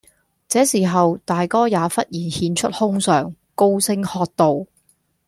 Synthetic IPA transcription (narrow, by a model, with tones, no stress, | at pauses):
t͡sɛː˨˥siː˨˩ɦɐ˨wt̪aː˨jkɔː˥jaː˨˧˥fɐ˥t̚jiː˨˩nhiː˨˧nt͡ʃʰɵ˥t̚hʊ˥ŋsœː˨ŋ | ko˥wsɪ˥ŋhɔː˧t̚t̪o˨w